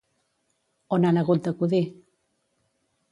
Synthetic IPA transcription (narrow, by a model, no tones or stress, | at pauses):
onanaɣult̪əkuði